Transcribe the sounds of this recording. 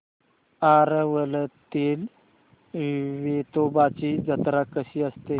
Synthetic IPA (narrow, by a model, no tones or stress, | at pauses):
aɾəʋələt̪el | ʋet̪obat͡ɕid͡zət̪ɾakəɕiəst̪e